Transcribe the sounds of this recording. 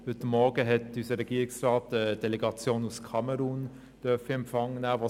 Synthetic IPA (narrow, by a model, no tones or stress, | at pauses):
hʏtəmːɔɾɡəɦɛtysəɾɛɡiːɪksrɑːtəd̥ɛlɛɡɑt͡sjoːnuskʰɑmɛɾuːn | d̥œɐfəɛmpfɑŋːənæːvɑː